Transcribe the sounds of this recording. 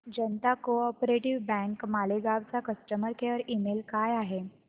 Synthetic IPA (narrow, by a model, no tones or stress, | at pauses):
d͡ʑənt̪akoɔpɾeʈiʋbɛ̃ŋkmaleɡaʋt͡sakəsʈəməɾkeʋəɾimelkajaɦe